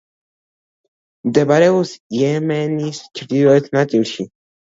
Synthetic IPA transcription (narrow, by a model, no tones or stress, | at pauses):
md̪ɛbaɾɛusjɛmɛnist͡ʃʰɾd̪iɾɔɛt̪ʰnat̪sʼilʃi